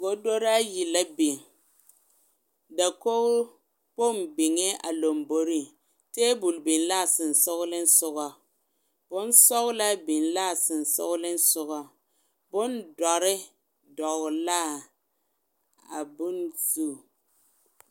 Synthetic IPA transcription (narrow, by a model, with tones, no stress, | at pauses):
ɡo˦do˦ɾa˦ji˨la˦bɪ˨ŋ˨ | da˨ko˦ʊ˦ | po˦mbɪ˨ŋɛ˦ʔa̰˨lo˨mbo˦ɾi˦ | teː˦bu˨lbɪ˨nla˦˨sɪ˨n˨sʊ˦ɣʊ˦lɪ˦n̩˦sʊ˦ɣɔ˨ | b̥ʊ˦n˦sɔ˦ɣʊ˦la˦bɪ˨nla˦˨sɪ˨n˨sʊ̰˦ɣʊ˦lɪ˦n̩˦sʊ˦ɣɔ˦ | bʊ˦ndɔ˨ɾɪ˦ | dɔ˨ɣʊ˨la˦ | a̰˨bʊ˦nzu˦˨